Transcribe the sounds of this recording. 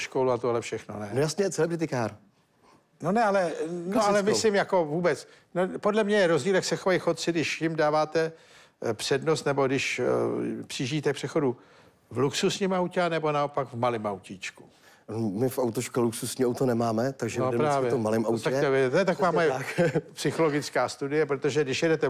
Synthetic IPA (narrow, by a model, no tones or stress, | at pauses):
ʃkowluat̪oɦlɛfʃɛxno̞̰nɛnojasɲɛjɛt͡sɛlɛbɾɪt̪̬ɪkaːɾ | nonɛalɛnnoalɛmɪsslɪmjako̞vuːbɛt͡s | nopo̞dlɛmɲɛjɛɾozɟiːljaksɛxovajixot̪̚t͡sɪdɪʃjɪmdaːvaːt̪ɛ | pr̥ɛdnost̪nɛbo̞dɪʃ | pr̥iʒɪːt̪ɛpr̥ɛxo̞du | vluksusɲimawcɛanɛbo̞nao̞paɡvmalɪmʔawciːt͡ʃku̥ | mɪfawt̪oʃkaluksusɲiawt̪onɛmaːmɛt̪aɡʒɛodɛpɾaːvjɛomːalɪmawt̪ak̪ovɛt̪ojɛt̪akovaːmojɛpsɪxo̞loɡɪt͡skaːst̪udɪjɛpɾo̞t̪oʒɛdɪʃjɛdɛt̪ɛ